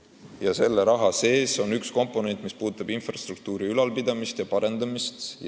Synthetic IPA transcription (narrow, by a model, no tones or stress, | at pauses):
jɑse̞lːe̞ɾɑɦɑse̞ːso̞nyksko̞mpːˑo̞ne̞nt̪ːˑmispuːd̪ut̪ːˑɑbinfrɑst̪ruk̚t̪uːɾiylɑlpid̪̥ɑmist̪jɑpɑɾe̞nd̪̥ɑmist̪